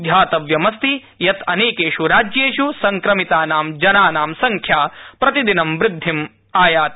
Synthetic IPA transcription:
d̪ʱjaːt̪ɐʋjɐmɐst̪i | jɐt̪ʰɐneːkeːʃuɾaːd͡ʒjeːʃusɐŋkɾɐmit̪aːnaːmd͡ʒɐnaːnaːmsɐŋkʰjaːpɾɐt̪id̪inɐmʋɾɪd̪ʱːim | aːjaːt̪

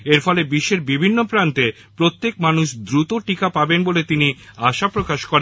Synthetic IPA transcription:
eɾfɔlebiʃːeɾbibʱinːopɾant̪e | pɾot̪ːek̚manuʃd̪ɾut̪oʈikapabenbolet̪iniaʃapɾokaʃkɔɾen

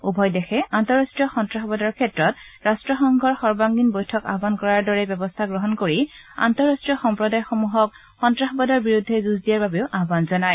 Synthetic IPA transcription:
ubʱɔjdɛxɛantɔɹastɹijɔxɔntɹaxɔbɔdaɹkʰɛtɹɔt̚ɹastɹɔxɔŋɡʱɔɹxɔɹbaŋɡinbɔjtʰɔka̰ɦbankɔɹaɹdɔɹɛbɛbɔstʰaɡɹɔɦɔnkoɹi | a̰ntɔɹastɹijɔxɔmpɹɔdajxɔmuɦɔk̚ | xɔntɹaxɔbɔdaɹbiɹudʱːɛzuzdijaɹbabeʊʔaɦbanzɔnaj

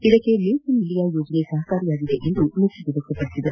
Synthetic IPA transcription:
id̪ɐkːeliːsimilijaːjoːd͡ʒɐneːsɐɦɐkaːɾijaːɡ̪id̪eʔend̪unuiʋid̪ɐkʰːɐpɐɽisid̪ɐɾ

